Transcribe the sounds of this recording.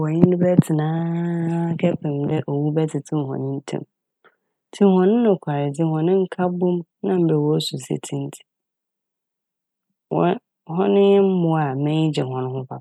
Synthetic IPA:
wɔ˨ɲɪ̃˦n˦nʊ̃˦bɛ˦tʰɪ˨nãː˦ | kʰɛ˦pʰɪ̃˨mdɛ˦ʔo˨wu˦bɛ˦tʰɪ˨tʰɪ̃˦˨hɔ̰̃˨nɪ̃˦n̩˦tʰɛ̰̃˦m | tʰɪ̃˦hɔ̃˨nɪ̃˦nʊ̃˨kʷʰa˨ɾɪ˨d͡zɪ˦hɔ̃˨nɪ̃˦ŋ̩˦kʰa˦bʊ̃˦m | nã˦m̩˨bɛ˨wɔ˦su˨sḛ˨tʰĩ˦n˦tʰi̥˨ | wɔ̰˨˦ | ɦɔ̃˦nɪ̃˦jɛ˦m̩˦mʊ̃˨a˨mɪ̃˦ɲɪ˦d͡ʑɛ˨ɦɔ̃˨nʊ̃˦ɦʊ̃˦fa˨

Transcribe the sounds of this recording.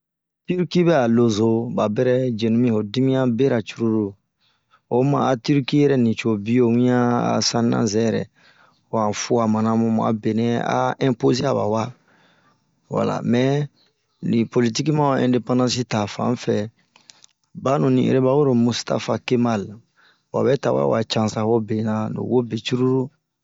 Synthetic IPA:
ti˦ɾki˦bɛ˦a˨lo˨zo˦ba˨bɛ˦ɾɛ˦d͡ʒe˨nũ˦mĩ˦ho˨di˦mĩ˦ã˦be˦ɾa˨t͡ʃu˦ɾu˦ɾo˦ | o˨mã̰˨a˨ti˦ɾki˦jɛ˨ɾɛ˦nĩ˨t͡ʃo˨bi˦jo˦mĩ˦jã˦a̰˨sã˦nnã̰˦zɛ˦jɛɾɛ̰˨ | o˨ã˨fu˦a˨mã˨nã˦mõ˦m˨a̰˨be˨nɛ˦a̰˦ɛ̃˦mpo˦ze˦a˨ba̰˨wa˦ | wa̰˨la̰˨mɛ˨ | nĩ˨po˨li˦ti˦ki˦mã˦ɛ̃nde˦pãndã˦si˦ta˨fã̰˦fɛ˨ | ba˦nũ˨nḭ̃˨ḛ˨ɾɛ˦ba˦wo˦ɾo˨mu˦sta̰˦fa˦ke˦ma˦l | o˨a̰˨bɛ˦ta˨wa̰˦w̰a˨t͡ʃã˦sã˨fo˦be˨nã˦no̰˨wo˦be˨t͡ʃu˦ɾu˦ɾu˦

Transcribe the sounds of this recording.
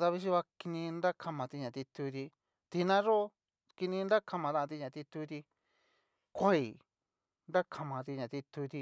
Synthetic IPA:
t̪a˧βi˧˦ʃ̬i˦βa˧ki˧nĩ˧nɾa˦kʰa˧mã˨˧t̪i˧ɲã˨t̪i˧t̪u˧t̪i˧ | t̪i˧nã˦ʐo˦ | ki˧nĩ˧nɾa˦kʰa˧mã˨t̪ã˦˧ã˧t̪̬i˧ɲã˨t̪i˧t̪u˧t̪i˧ | kʷa˦i˨ | nda˦kʰa˧mã˨˧t̪i˧ɲã˨t̪i˧t̪u˧t̪i˧

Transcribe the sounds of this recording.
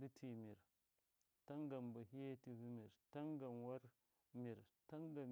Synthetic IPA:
di˦tʰi˨mi˨ɾ | ta˦ŋɡa˨mba˨ɦi˦ja˦ti˨vu˦mi˨ɾta˦ŋɡa˨mwa˦ɾ | mi˨ɾta˦ŋɡa˨m

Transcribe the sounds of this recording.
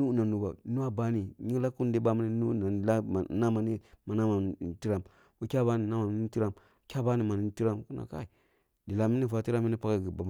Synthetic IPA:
u˦na˨nu˨ba˨nu˦a˦ba˦ni˨ɲi˦la˦ku˦n˦di˦ba˦ma˦ni˦nu˦na˨a˦˨na˦ma˨ni˦ma˨na˦ma˨ti˦ɾa˦˨m | wu˦kʲa˦ba˦ni˨na˦ma˨ni˦n˦ti˦ɾa˦m˦ | kʲa˦ba˦ni˦˨ma˨ni˨˦n˦ti˦ɾa˦˨mku˦na̰˨ka̰˦i˨ | di˨la˨mi˦ni˦fa˨ti˦ɾa˦mi˦ni˦pa˦ka˦ɡi˨ba˨m˨

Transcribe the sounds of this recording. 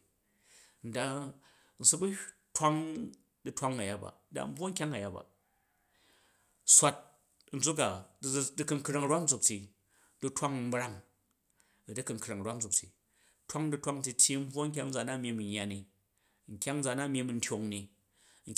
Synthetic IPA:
n̩˨da˧ | n̩˨su˦bu˦twa˦ŋ | dɨ˦tʷa˦ŋa˨ja˦ba̰˨˦da̰˨m̩˦bwo˦ŋ̩˦kʲa˦ŋa˨ja˨ba̰˨ | sʷa˦t̚ | n̩˨d͡zu˦k̬a˨˦dɨ˦kɨ˧ŋ̩˦kɾa˧ŋ˦ɾa˦n̩˦d͡zu˨k̚ti˨ | dɨ˦tʷa˦ŋm̩˦bɾa˦ŋ | ɐ˨dɨ˦kɨ˨ŋ̩kɾa˨ŋ˨ɾʷwa˦n̩˦d͡zu˨k̚ti˨ | twa˦ŋdɨ˦tʷa˦ŋn̩˦ti˧tʲji˦m̩˦bwo˦ŋ̩˦k̬ʲa˦ŋn̩˦d͡za˨na˦mʲi˧˦mi˨ɲː˦a˨ni˨ | ŋ̩˨kʲa˦ŋn̩˦d͡za˨na˦mʲe˧mi˧n̩˦tʲo˨ŋni˨ | ŋ̩˨

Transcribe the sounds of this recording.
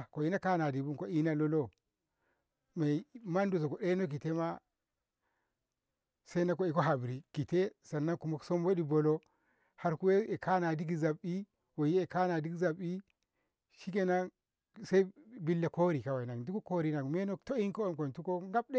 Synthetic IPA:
ko˨i˦na˦ka˦na˨di˨bu˦ko˨i˦na˦lo˦lo˦ | me˨ma˦ndu˨s̬o˨ko˨ɗe˦no˦k̬i˨te˦ma˦ | se˦na˦ko˨e˨ko˦ɦa˨bɾi˨ki˨te˦sa˨nːa˦ŋku˨mo˦kso˦mwo˦ɗi˦bo˨lo˦ | ha˦ɾku˦we˦e˨kʰa˦na˨di˦k̬i˦za˨bːi˦ | wo˨ji˦e˨ka˦na˨di˦ki˦za˨bi˦ | ʃi˦ke˦na˦n | se˦i˦bi˦lːe˨ko˦ɾi˨ka˨wa˨na˨ŋdu˦ku˦ko˦ɾi˦na˨ŋme˦no˦to˦i˦nko˦o˦˨nko˨ntu˦ko˦ŋɡa˦b̚ɗe˦

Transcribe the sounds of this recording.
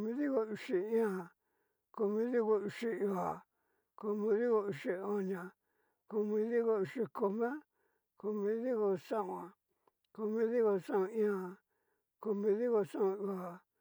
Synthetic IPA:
ko˧mĩ˧˦ði˦ko˧u˧ʃi˧ĩ˦ã˧˨ | ko˧mĩ˧˦ði˦ko˧u˧ʃi˧u˧a˨ | ko˧mĩ˧ði˦ɣo˧u˧ʂi˧o˧ɲã˧ | ko˧mĩ˧ði˦ɣo˧u˧ʂi˧ko˧mẽ˦ | ko˧mĩ˧ði˦ɣo˧sã˦ʔũ˧˨ã˨ | ko˧mĩ˧˦ði˦ɣo˧sã˦õ˧ĩ˦ã˧ | ko˧mĩ˧ði˦ɣo˧sã˦õ˧u˧a˨

